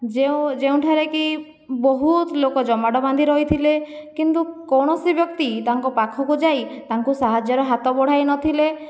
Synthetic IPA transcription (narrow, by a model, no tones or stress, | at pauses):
d͡ʒẽd͡ʒeũʈʰaɾeki | bɔɦut̪lokɔd͡ʒɔmaɽɔband̪ʱiɾɔjt̪ʰilekint̪ukɔwɽ̃ɔsibjɔkt̪it̪aŋkɔpakʰɔkud͡ʒajt̪aŋkusaɦad͡ʒjɔɾɔɦat̪ɔbɔɽ̤ajnɔt̪ʰile